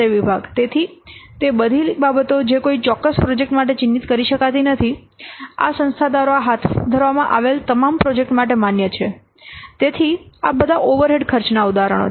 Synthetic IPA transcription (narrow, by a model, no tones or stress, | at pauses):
əʋibʱaɡt̪et̪ʰit̪ebəd̪ʱibabət̪od͡ʒekoit͡ʃɔkːəspɾod͡ʒek̚ʈmaʈ̬et͡ʃɪnːit̪kəɾiʃəkat̪inət̪ʰi | a̰sə̃nst̪ʰad̪aɾoaɦat̪ʰd̪ʱəɾʋamãʔaʋelt̪əmampɾod͡ʒek̚ʈmaʈ̬emanjət͡ʃʰe | t̪et̪ʰia̰bəd̪ʱaʔoʋəɾɦeɖkʰəɾt͡ʃnaud̪aɾə̰ɽ̃o̰